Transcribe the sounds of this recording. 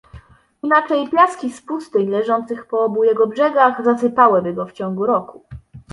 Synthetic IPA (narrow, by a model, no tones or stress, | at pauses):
inat͡ʂɛjpʲjaskʲispust̪ɘɲlɛʐɔnt̪sɘxpɔɔbujɛɡɔbʐɛɡaɣzasɘpawɘbɘɡɔft͡ɕɔŋɡuɾɔku